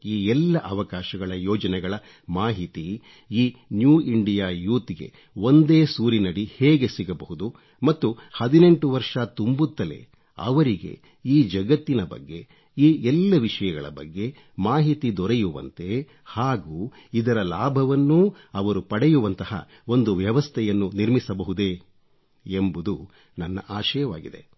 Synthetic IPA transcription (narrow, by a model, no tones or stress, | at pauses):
iːɛlːɐʔɐʋɐkaːʃɐɡɐɭɐjɔːd͡ʒɐnɛɡɐɭɐ | maːɦit̪i | iːnjuːiɳɖijaːjuːt̪iɡe̞̰ | o̞nd̪eːsuːɾinɐɽiheːɡe̞siɡɐbɐɦud̪u | mɐt̪ːuhɐd̪ine̞ɳʈuʋɐɾʂɐt̪umbut̪ːɐlḛ | ɐ̰ʋɐɾiɡe̞̰ | iːd͡ʒɐɡɐt̪ːinɐbɐ̰ɡːe̞̰ | iːʔɛlːɐʋiʂɐjɐɡɐ̰ɭɐ̰bɐ̰ɡːe̞ | maːɦit̪id̪ɔɾɛjuʋɐ̰nt̪e̞ | haːɡuː | id̪ɐɾɐlaːbʱɐʋɐnːu | ɐʋɐɾupɐɽɛjuʋɐnt̪ɐhɐ̰ | o̞nd̪uʋjɐʋɐst̪ʰɛjɐnːuniɾmisɐbɐɦud̪e | embud̪u | nɐnːɐ̰ʔaːʃɐjɐʋaːɡid̪e̞̰